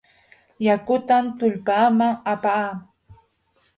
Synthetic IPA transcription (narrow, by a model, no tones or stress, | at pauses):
jakʊt̪ant̪ʊʎpaːmaŋapaː